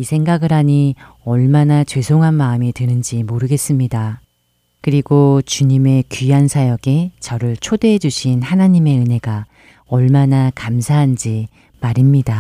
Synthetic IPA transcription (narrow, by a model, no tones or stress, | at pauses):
isʰe̞ŋɡaɡɯɾɦaɲi | ʌɭmanat͡ɕwe̞sʰoŋɦanmaɯmitɯnɯnd͡ʑimoɾɯɡe̞s͈ɯmɲida | kɯɾiɡot͡ɕuɲime̞kiansʰajʌɡe̞t͡ɕʌɾɯɭt͡ɕʰodeɦed͡ʑuɕʰinhanaɲime̞ɯne̞ɡa | ʌɭmanakamsʰaɦand͡ʑi | maɾimɲida